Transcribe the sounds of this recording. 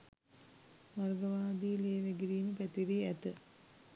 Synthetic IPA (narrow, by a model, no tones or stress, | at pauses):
ʋarɡəʋaːd̪iːleːʋeɡiɾiːməpæt̪iɾiæt̪ə